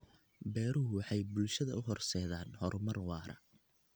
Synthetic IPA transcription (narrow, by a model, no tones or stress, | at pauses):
bɛːɾʊɦʊwɑħɑjbʊlʃɐðɐʊɦɔrsɛːðaːnhɔrmɐrwɑːɾɐ̰